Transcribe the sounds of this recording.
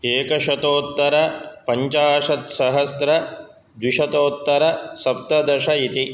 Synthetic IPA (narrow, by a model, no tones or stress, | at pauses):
eːkɐʃɐt̪oːt̪ːɐɾɐpɐɲt͡ʃaːʂɐt̪sɐɦɐst̪ɾɐ | d̪wiʃɐt̪oːt̪ːɐɾɐsɐp̚t̪ɐd̪ɐʂɐit̪i